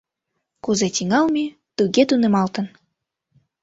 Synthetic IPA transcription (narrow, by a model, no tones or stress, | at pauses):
kuzet̪ʲiŋɑlmʲi | t̪uɣet̪unĕmɑlt̪ə̆n